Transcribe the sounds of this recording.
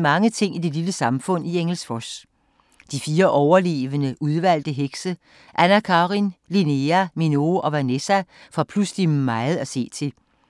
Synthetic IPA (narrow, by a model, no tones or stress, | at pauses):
mɑ̈ŋət͡sʰe̝ŋ̰id̥e̝liləsɑ̈mfɔ̽n̰ieŋl̩sfɒs | d̥ifiːɐʔɒʊɐle̝̰ːʋənəʔuð̞ˠʋæl̰d̥əɦeɡ̥sə | ʔænækʰɑ̈ːʁinline̝æmino̝ʔɒ̽ʋænesæfɒpʰluslimːɑɪð̩ˠæse̝̰ːt͡sʰe̝